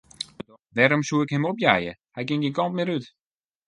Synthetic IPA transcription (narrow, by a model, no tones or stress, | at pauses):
ədɔ | ʋɛɾomsuɪkhɪmopjajəhajɡɪŋɡinkɔntmɪɾyt